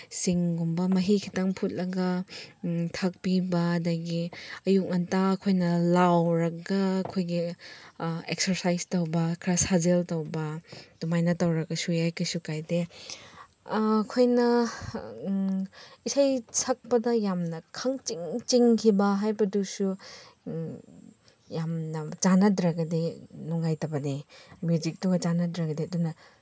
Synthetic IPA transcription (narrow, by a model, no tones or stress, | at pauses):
siŋɡumbɐmɐɦikʰitaŋpʰut̚lɐɡɐ | tʰak̚pibɐːdɐɡiɐjuk̚ŋɐntaːkʰojnɐlawɾɐɡɐkʰojɡi | eksɐɾsajstɐwbɐkʰɾasazeltɐwbɐtumajnɐtawɾɐkɐsujajkɐsukajde | kʰojnɐ | isajsʰɐk̚pɐdɐjamnɐkʰɐŋt͡ʃiŋt͡ʃiŋkʰibɐɦajbɐdusu | jamnɐt͡ʃanɐdɾɐɡɐdinuŋajtɐbɐnimjud͡ʒik̚tuŋɡɐt͡ʃanɐdɾɐɡɐdiɐdunɐ